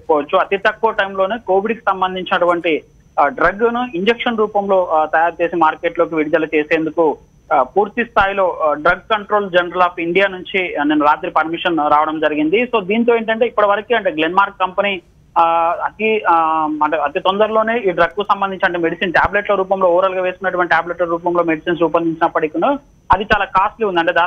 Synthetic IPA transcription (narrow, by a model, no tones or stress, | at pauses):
epːɔʋɐt͡ʃːuɐt̪it̪ɐkːuʋɐʈɐjmlo̞ːneːko̞ːʋiɽki̥sɐmbɐnd̪ʱiɲt͡ʃinɐʈuʋɐɳʈi | ɖɾɐɡnuiɲd͡ʒekʂɐnɾuːpɐmlo̞ːt̪ɐjaːɾt͡ʃe̞ːsimaːɾke̞ːʈlo̞ːk̬iʋiɽid̪ɐlɐt͡ʃe̞ːse̞ːnd̪uku | puːɾt̪ist̪ʰaːjlo̞ːɖɾɐɡ̚kɐɳʈɾo̞ːld͡ʒenɐɾɐlaːpʰiɳɖijaːnuɲt͡ʃinenːɐɾaːt̪ɾipɐɾmiʂɐnɾaːʋɐɽɐmd͡ʒɐɾiɡind̪iso̞ːd̪iːnt̪̬o̞e̞ːɳʈ̬ɐɳʈe̞ːipːuɽɐʋɐɾɐkiːɐɳʈe̞ːɡlenmaːɾkːɐmpɐni | ɐt̪i | ɐɳʈeːɐt̪it̪ond̪ɐɾilo̞ːne̞ːiːɖɾɐɡ̚kusɐmbɐnd̪iɲt͡ʃɐɳʈemeɽisiːnʈaːbleʈlɐɾuːpɐmlo̞ːuʋɾɐlɡaːʋe̞ːskunːɐʈuʋɐɳʈiʈaːbleʈlɐɾuːpɐmloːmeɽisiːns̬upɐnd̪iɲt͡ʃinɐpːɐɽikunu | ɐd̪it͡ʃaːlaːkaːsʈliund̪iɐɳʈeːd̪aː